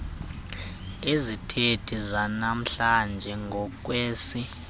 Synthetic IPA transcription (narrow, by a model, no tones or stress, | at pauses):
ezitʰedʰʱizanam̩ɬand͡ʒʱɛŋɡʱɔk̬weːsi